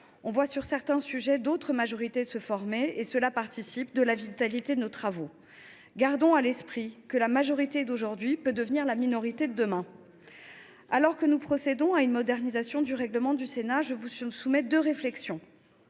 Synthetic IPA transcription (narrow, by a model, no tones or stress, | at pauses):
ɔ̃vwasyʁsɛʁt̪ɛ̃syʒɛd̪ot̪χəmaʒɔʁit̪esəfɔʁmeesəlapaʁt̪isipd̪əlavit̪alit̪ed̪ənot̪χavo | ɡaʁd̪ɔ̃alɛspχikəlamaʒɔʁit̪ed̪oʒuʁd̪ɥipød̪əvniʁlaminɔʁit̪ed̪əd̪əmɛ̃ | alɔʁkənupχɔsed̪ɔ̃aynmɔd̪ɛʁnizasjɔ̃d̪yʁɛɡləmɑ̃d̪ysenaʒəvusumɛd̪øʁeflɛksjɔ̃